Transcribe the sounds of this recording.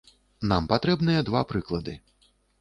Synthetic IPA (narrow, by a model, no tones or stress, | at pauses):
nampat̪ɾɛbnɨjɛd̪vapɾɨklˠɐd̪ɨ